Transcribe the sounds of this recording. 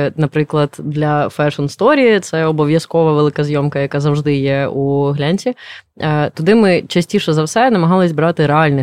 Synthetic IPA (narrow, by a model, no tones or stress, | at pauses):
nɐpɾɪklˠɐd̪̥d̪lʲɐfɛʂɔnst̪ɔɾʲiit̪sɛɔbɔʋʲjɐskɔʋɐʋelˠɪkɐzʲjɔmkɐjɐkazɐwʐd̪ɪjɛuɦlʲanʲsʲi | t̪ɔd̪ɪmɪt͡ʃɐsʲtʲiʃɛzɐwsɛnɐmɐɦɑlˠɪzʲbɾɑt̪ɪɾɛɑlʲnɪ